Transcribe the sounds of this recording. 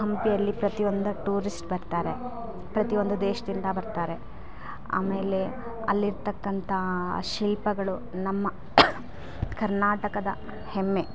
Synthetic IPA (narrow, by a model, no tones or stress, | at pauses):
ɦɐmpijɐlːipɾɐt̪io̞nd̪ɐʈuːɾisʈbɐɾt̪aːɾe̞ | pɾɐt̪ijo̞nd̪ud̪eːʃɐd̪ind̪ɐbɐɾt̪aːɾe̞ | a̰ːme̞ːle̞ | ɐ̰lːiɾt̪ɐkːɐnt̪ʰɐʃilpɐɡɐɭu | nɐmːɐ | kɐɾnaːʈɐkɐd̪ɐ̰ | hemːe